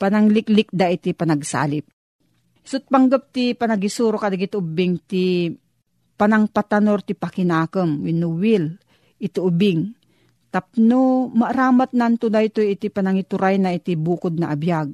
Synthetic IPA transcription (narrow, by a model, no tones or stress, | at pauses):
panaŋlɪklɪk̚d̪ait̪ipanaɡsa̰ːlɪp̚ | sʊt̪̚paŋɡəp̚t̪ipanaɡisuɾokad̪aɡit̪ʊbɪŋt̪i | panaŋpat̪anoɾt̪ipakɪnaːkəmwinuwɪl | ʔɪt̪iʔʊbɪŋ | t̪ap̚nomaʔɾaːmat̪̚naʔnt̪ʊd̪ajt̪ojɪt̪ipanaŋit̪ʊɾajnait̪ibuːkʊd̪̚naʔabjaɡ̚